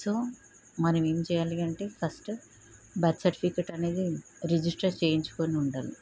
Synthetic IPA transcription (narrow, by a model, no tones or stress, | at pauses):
so̞ː | mɐnɐme̞ːmt͡ʃɛːjaːliɐɳʈe̞ːpʰɐsʈ | baːʈ̪sɐɾʈipikeʈɐne̞ːd̪i | ɾid͡ʒisʈɐɾt͡ʃe̞ːjiɲt͡ʃu̥ko̞ːniuɳɖaːli